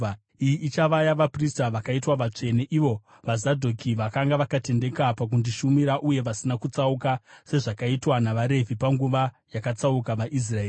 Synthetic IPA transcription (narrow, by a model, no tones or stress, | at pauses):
ijiʔːt͡ʃaʋajaʋapristaʋakaitwaʋat͡ʂe̞neʔiʋo̞ | ʋazadʱokiʋakaŋɡaʋakate̞nde̞kapak̬undiʃumiɾaʔuje̞ʋasinakut͡saukase̞ʐakaitwanaʋaɾe̞vʱipaŋɡuʋa | jakat͡saukaʋaʔis̬raeː